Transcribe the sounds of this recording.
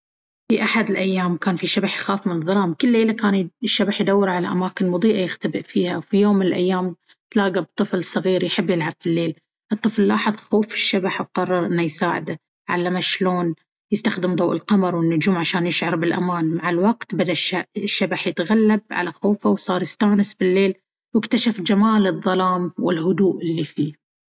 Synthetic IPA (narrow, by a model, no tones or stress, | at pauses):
fiʔaħad̪ɪlʔajːaːmkaːnfiʃabaħjxaːfmɪnɨðˤːɑɾˤɑːmkʊlːeːlakaːnʃːabaħjd̪awːɪɾʕala̰ʔamaːkɪnmʊd̪ˤiːʔajɪxt̪abɪʔfiːhawfijoːmːɪnɪlʔa̰jːaːm | t̪laːɡab̚t̪ˤːɨflsˤɨɣiːɾjħɪbːjɪlʕabfilːeːl | ʔɨt̪ˤːɨflːɑːħɨðˤxoːfɪ̥ʃːabaħwqɑrˤːɑɾˤʔɪnːajsaːʕɪ̰d̪a | ʕalːamaʃloːn | jɪst̪axd̪ɪmd̪ˤɑːʔɪ̰lqɑmɑɾˤwɪnːʊd͡ʒuːmʕaʃaːnjɪʃʕɑɾˤbɪlʔa̰maːnmaʕɪlwɑqt̪bad̪aʃaʃːabaħjɪt̪ɣalːab̚ʕa̰laxoːfawsˤɑːɾˤjɪst̪aːnɪsbɪlːeːl | wɪkt̪aʃafd͡ʒamaːlɨðˤːɑlɑːmwɪlɦʊd̪uːʔɪlːifiː